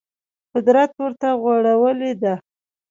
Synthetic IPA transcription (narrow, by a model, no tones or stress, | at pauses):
qʊd̪ɾat̪wəɾt̪aɣwaɽawəled̪a